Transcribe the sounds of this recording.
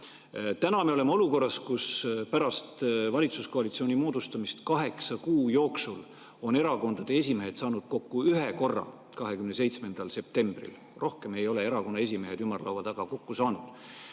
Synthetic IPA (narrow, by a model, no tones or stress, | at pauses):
t̪ænɑme̞o̞le̞mɑo̞luko̞rːɑskuspæɾɑst̪vɑlʲit̪susko̞ɑlʲit̪sio̞ːnimo̞ːd̪̥ust̪ɑmist̪kɑɦe̞ksɑkuːjo̞ːksul | o̞ne̞ɾɑko̞nd̪̥ɑd̪̥e̞e̞s̬ʲime̞ɦed̪sɑːnud̪̥̚ko̞kːuyɦe̞ko̞rːɑ̰ | kɑɦe̞kymnes̬e̞jt̪sme̞nd̪̥ɑlse̞p̚t̪e̞mb̥rḭl | ro̞hke̞me̞jo̞le̞e̞ɾɑko̞nːɑe̞s̬ʲime̞ɦe̞d̪ymːɑrlo̰vɑd̪ɑɡ̥ɑko̞kːusɑːnud̪̥